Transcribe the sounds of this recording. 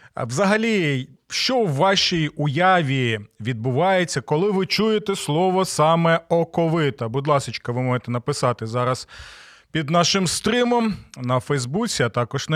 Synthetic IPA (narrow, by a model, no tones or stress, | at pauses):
ʋzɐɦɐlʲiʃt͡ʃɔwːɑʃijʊjɑʋʲiʋʲid̪̚bʊʋɑjet͡sʲːɐkɔlˠɪʋɪt͡ʃujet̪ɛslˠɔʋɔsɑmɛɔkɔʋɪt̪ɐbʊd̪lˠɑsɪt͡ʃkɐʋɪmɔʒet̪ɛnɐpɪsɑt̪ɪzɑɾɐs | pʲid̪nɑʃɪmst̪ɾɪmɔmnɐfɛjzbut͡sʲiɐt̪ɑkɔʒ̥n